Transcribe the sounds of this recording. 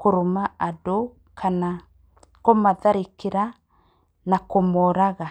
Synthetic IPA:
koɾomaʔado | kʰana | komaðaɾikiɾa | nakomɔɾaɣa

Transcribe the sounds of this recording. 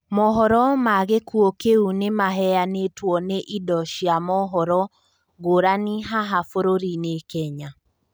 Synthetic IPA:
mɔɦɔɾɔmaɣekuokeunemaɦɛjanetwɔneʔidɔʃjamɔɦɔɾɔ | ɡoɾaniɦaɦafoɾoɾinekɛɲa

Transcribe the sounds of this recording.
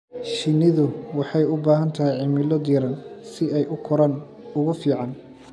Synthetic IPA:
ʃɪnɪðʊwɑħɑjʊbaːɦɐnt̪ʰɐɦɪjʕɪmɪlɔd̪iːɾɐnsɪɛjʔʊkʰʊɾɐn | ʊɣʊfiːʕɑn

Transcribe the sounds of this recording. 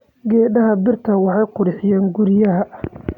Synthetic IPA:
ɡɛːɖɐɦɐbɪrt̪ʰɐwɑħɑjqʊɾɪħɪjɛːŋɡʊɾɪjɐɦɐ

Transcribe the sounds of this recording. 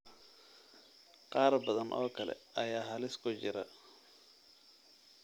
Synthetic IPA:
qɑːrbɐðɐnʔɔːkʰɐlɛ̰ɐjaːɦɐlɪskʰʊt͡ʃɪɾɐ̰

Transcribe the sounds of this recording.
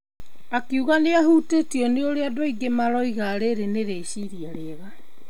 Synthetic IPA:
akiuɣaneaɦuːtetiɔneoɾeadoaiɡemaɾɔiɣaːɾeɾeneɾeɕiɾjaɾeɣa

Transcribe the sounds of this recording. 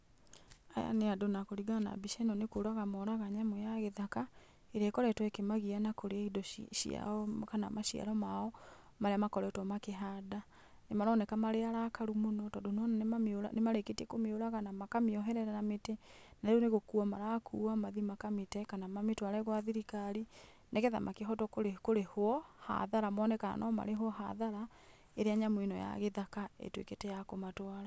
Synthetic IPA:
aja̰neadonakoɾiɡana̰biʃɛnɔnekoːɾaɣamɔɾaɣaɲamojaɣeðaka | eɾekɔɾɛtwɛkemaɣianakoɾeaidɔʃḭa̰ɔkana̰maʃia̰ɾɔmaɔ | maɾeamakɔɾɛtwɔmakeɦada | nemaɾɔːnɛkamaɾeaɾakaɾumonɔtɔdonɔnanemamoɾa̰nemaɾeketiɛkomeoɾaɣanamakameɔɦɛɾɛɾanametenaɾoneɣokuamaɾakʰuːamaðimakametɛkanamametwaɾɛɣwaðiɾikaɾi | nekɛða̰mʔakeɦɔtɔkoɾekoɾehoɔha̰ðaɾamɔnɛkana̰nʔɔma̰ɾeɦwɔɦa̰ðaɾa | eɾeaɲamwinɔ̰ja̰ɣeðakaḛtwḛketejakomatwaɾa

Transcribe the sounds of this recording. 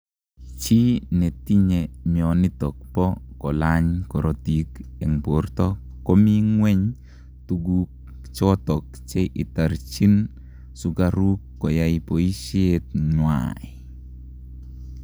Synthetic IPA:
t͡ʃinɛt̪iɲemjɔnit̪ɔk̚pɔkɔlaɲkɔɾotikɛŋport̪ɔ | kɔmiŋwɛɲ | tuɡuk̚ | t͡ʃɔt̪ɔk̚ | t͡ʃɛʔitaɾt͡ʃin | sukaɾukːɔjajpoiʃiet̪̚ɲwa̰j

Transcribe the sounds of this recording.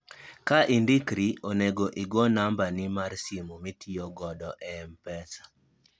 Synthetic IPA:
kaʔindikɾiʔoneɡoʔiɡwɔnambanɪmarsimumitʰiɔɡɔdɔʔɛɛmpɛsḁ

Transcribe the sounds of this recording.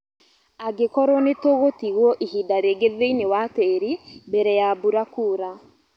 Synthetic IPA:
aɡekɔɾonetoɣotiɣwɔʔiɦidaɾeɡeðeinewateɾibɛɾɛjabuɾakuːɾa

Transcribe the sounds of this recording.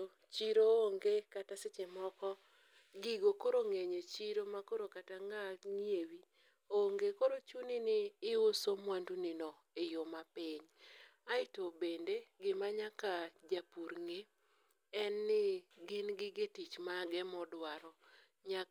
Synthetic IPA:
t͡ʃiɾooŋɡekatasɪt͡ʃemɔkɔ | ɡiɡokoɾoŋeɲet͡ʃiɾomakoɾokataŋaŋjewi | oŋɡekoɾot͡ʃuninɪːosomwandunɪnɔ | ejomapɪɲaɪtobendeɡɪmaɲakad͡ʒapuɾŋe | ɛnːɪɡɪnɡɪɡetit͡ʃmaɡɛmɔdwaɾɔ | ɲa

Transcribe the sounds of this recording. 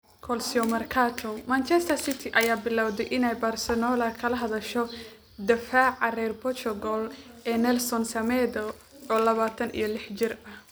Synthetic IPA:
kʰɔlsiɔmɐrkʰat̪ʰɔmaːnt͡ʃʰɛst̪ʰɐrsɪt̪ʰɪʔɐjaːbɪlawd̪ɛjʔɪnɛjbaːrsɛnɔːlɐkʰɐlɐɦɐðɐʃɔ | d̪ɐfaːʕɑrɛrbɔt͡ʃɔɡɔlʔɛːnɛlsɔnsɐmɛd̪ɐ | ʔɔːlɐβaːt̪ʰɐnʔḭjɞlɪħt͡ʃɪrɐh

